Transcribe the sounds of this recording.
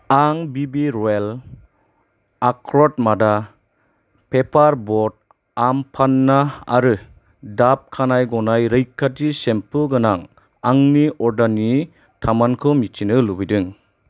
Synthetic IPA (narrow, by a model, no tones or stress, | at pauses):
aŋbibiɾɔel | akʰɾɔt̚mada | pʰepʰaɾbɔd̚ | ampʰanːaa̰ɾɯ | dap̚kʰanajɡɔnajɾɯjkʰːatisempʰɯɡɯnaŋ | aŋniɔɾdani | tʰamankʰɯmitʰinɯlubidɯŋ